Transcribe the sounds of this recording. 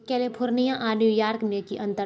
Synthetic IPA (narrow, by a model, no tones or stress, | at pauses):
kɛːlepʰʊɾnijãʔaːnjujaːɾkmekiʔɐ̃nt̪ə